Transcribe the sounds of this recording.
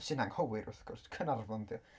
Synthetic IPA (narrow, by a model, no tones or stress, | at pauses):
sɪnaŋhɔwɪɾʊ̰θɡ̥ɔrskʰənarvɔndiɔ